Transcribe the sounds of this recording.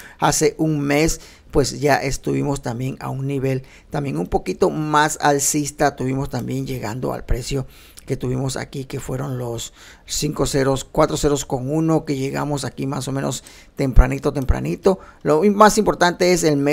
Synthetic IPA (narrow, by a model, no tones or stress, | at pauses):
ase̞ʔuŋme̞s | pwe̞sʝaʔest̪uβimo̞st̪ambjeŋa̰unniβe̞l | t̪ambje̞ŋumpo̞kit̪o̞masa̰lsist̪at̪uβimo̞st̪ambje̞nd͡ʒe̞ɣa̰nd̪o̞̰a̰lpɾe̞sjo̞ | ke̞t̪uβimo̞sa̰kike̞fwe̞ɾo̞nlosː | iŋkoseɾoskwat̪ɾo̞se̞ɾosko̞ŋuno̞ke̞ʝe̞ɣa̰mosakimaso̞mẽno̞̰s | t̪e̞mpɾanit̪ot̪e̞mpɾa̰nit̪o̞lomasimpo̞ɾt̪ant̪e̞eselme